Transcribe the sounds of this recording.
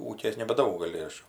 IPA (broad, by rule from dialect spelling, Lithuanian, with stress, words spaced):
ˈuːkʲeːs nʲɛbɐˈdɐʊk ɡɐˈlʲɪ ˈɐʃ